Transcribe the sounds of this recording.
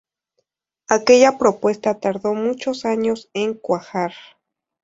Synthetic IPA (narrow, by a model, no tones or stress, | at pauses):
ake̞ʎapɾopwe̞st̪at̪aɾðomut͡ʃosaɲoseŋkwaxaɾ